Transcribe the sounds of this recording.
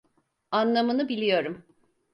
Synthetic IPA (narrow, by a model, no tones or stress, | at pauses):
anlˠamɯnɯbilʲijo̞ɾum